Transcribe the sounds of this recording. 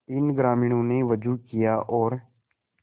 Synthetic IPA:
ɪnɡɾaːmiːɽ̃õneʋəd͡ʒuːkijaʔɔːɾ

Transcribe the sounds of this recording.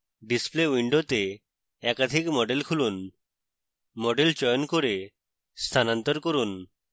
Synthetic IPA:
ɖispleʋiɳɖot̪e | ɛkad̪ʱiːkmɔɖelkʰuluːn | mɔɖelt͡ɕɔjnkoɾe | st̪ʰanə̃nt̪əɾkəɾuːn

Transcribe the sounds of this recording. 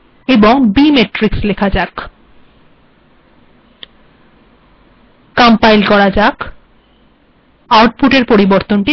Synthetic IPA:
eboŋbimeʈɾikslekʰad͡ʑak | kampajlkɔɾad͡ʑak | aɾʈ̚puʈeɾpoɾiboɾt̪onʈi

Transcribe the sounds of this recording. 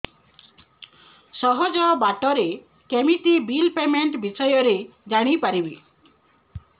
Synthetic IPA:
sɔɦɔd͡ʒɔbaʈɔɾe | kemiʈ̪ibilpemeɳʈbisɔjɔɾed͡ʒaɽ̃ipaɾibi

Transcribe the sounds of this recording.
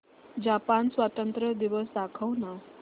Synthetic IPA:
d͡ʑapansʋat̪ənt̪ɾəd̪iʋəsd̪akʰəwna

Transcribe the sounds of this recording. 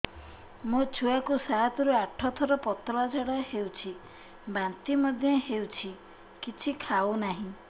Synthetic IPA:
mot͡ʃʰuakusaɦat̪ɔɾuaʈʰɔt̪ʰɔɾɔpɔt̪ɾɔad͡ʒaɽɔɦewt͡ʃʰi | bant̪imɔd̪ʱjɔɦewt͡ʃʰi | kit͡ʃʰikʰawnaɦĩ

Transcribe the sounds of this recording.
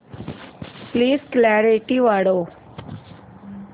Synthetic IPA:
pliːsklɛːɾeʈiʋaːɽoː

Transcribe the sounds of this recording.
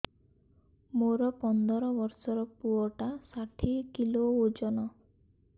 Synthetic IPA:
moɾɔpɔnd̪ɔɾɔbɔɾsɔɾɔpuɔʈasaʈʰikilood͡ʒɔnɔ

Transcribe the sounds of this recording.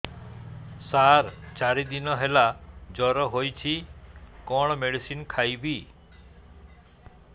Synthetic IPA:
saɾt͡ʃaɾid̪inɔɦelad͡ʒɔɾɔɦojt͡ʃʰikɔɽ̃ɔmeɽisinkʰajbi

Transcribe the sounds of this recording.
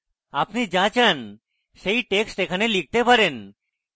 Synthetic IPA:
apnid͡ʒãt͡ɕʰan | ʃeiʈeksʈekʰanelik̚t̪epaɾen

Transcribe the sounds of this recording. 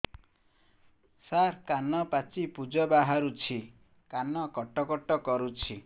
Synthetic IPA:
saɾkanɔpat͡ʃipud͡ʒɔbaɦaɾut͡ʃʰi | kanɔkɔʈɔkɔʈɔkɔɾut͡ʃʰi

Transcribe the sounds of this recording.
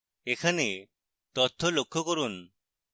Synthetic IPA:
ekʰane | t̪ɔt̪ʰːɔlokʰːɔkoɾun

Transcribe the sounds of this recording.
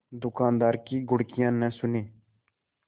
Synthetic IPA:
d̪ʊkaːnd̪aːɾkiːɡʊɽkɪjãːnɛ̃ːsʊneː

